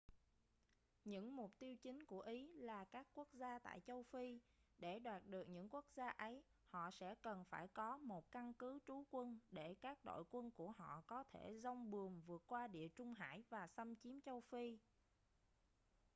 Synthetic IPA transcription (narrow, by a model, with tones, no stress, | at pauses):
ɲɨ̰˧˥ŋmʊ˨˩k͡p̚t̪i˧əwt͡ɕï˨˦ŋ̟ku˧˩əʔi˨˦laː˨˩kaː˦˥kːu˦˥ək̚zaː˧t̪a̰ː˧˨jt͡ɕə˧wfi˧ɗe˧˩ɗwaː˨˩t̚ɗɨ˨˩ək̚ɲɨ̰˧˥ŋku˦˥ək̚zaː˧ʔə˨˦j | hɔ̰˧˨sɛ̰˧˥kə˨˩nfaː˧˩jkɔ˨˦mo˨˩t̚ka˧nkɨ˨˦t͡ɕu˨˦kwə˧nɗe˧˩kaː˦˥k̚ɗo̰˧˨jkwə˧nku˧˩əɦɔ̰˧˨kɔ˨˦t̪ʰe˧˩zɔ˧wŋ͡mɓɨ˨˩əŋvɨ˨˩ət̚kwaː˧ɗḭ˧˨ət͡ɕʊ˧ŋ͡mɦa̰ː˧˥˨jvaː˨˩sə˧mt͡ɕi˨˦mt͡ɕə˧wfi˧